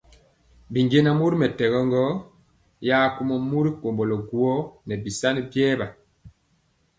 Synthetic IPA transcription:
bi˨ŋɡe˦na˦mu˦ɾi˦mɛ˨tɛ˨ɣɔ˦ŋɡɔ˦ | jaː˦ku˦mɔ˦mu˦ɾi˦ko˨mbɔ˨lɔ˨ɡu˦ɔ˦nɛ˨bi˨sa˦ni˦bjɛː˦ba˨

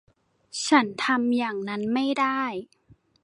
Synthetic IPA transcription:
t͡ɕʰa˦˥nt̪ʰa˧mjaː˨˩ŋna˦˥nma˥˩jdaː˥˩j

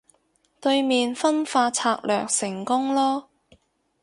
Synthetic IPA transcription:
t̪ɵ˧ɥmiː˨nfɐ˥nfaː˧t͡sʰaː˧k̚lœ̰ː˨k̚sɪ˨˩ŋkʊ˥ŋlɔː˥

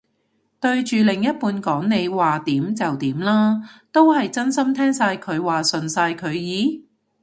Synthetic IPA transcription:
t̪ɵ˧ɥt͡ʃyː˨lɪ˨˩ŋjɐ˥t̚puː˧nkɔː˨˥ŋne˨˧jwaː˨˩t̪iː˨˥mt͡sɐ˨wt̪iː˨˥mlaː˥t̪o˥whɐ˨jt͡sɐ˥nsɐ˥mt̪ʰɛː˥ŋsaː˧jkʰɵ˨˧ɥwaː˨sɵ˨nsaː˧jkʰɵ˨˧ɥjiː˨˥

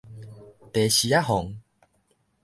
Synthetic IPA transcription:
t̪e˨˦ɕi˨a˦ɦɔ˨˦ŋ

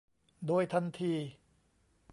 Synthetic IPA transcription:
doː˧jt̪ʰa˧nt̪ʰiː˧

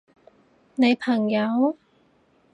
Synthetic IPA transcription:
ne˨˧jpʰɐ˨˩ŋjɐ˨˧w

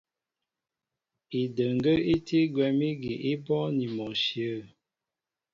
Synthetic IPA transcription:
i˨də˨ŋ˨ɡə˦i˦ti˦ɡwɛ˨mi˦ɡi˨ʔi˦bɔ˦ni˨mɔ˨ʃi˨ə˦˨

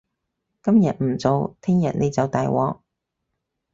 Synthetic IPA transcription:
kɐ˥mjɐ˨t̚m̩˨˩t͡so˨˧wt̪ʰɪ˥ŋjɐ˨t̚ne˨˧jt͡sɐ˨wt̪aː˨jwʔɔ̰ː˨˧k̚

